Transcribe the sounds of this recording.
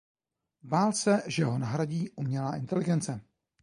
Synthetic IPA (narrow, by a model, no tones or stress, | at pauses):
baːlsɛʒɛɦo̞naɦɾaɟiːʔumɲɛlaːʔɪnt̪ɛlɪɡɛnt͡sɛ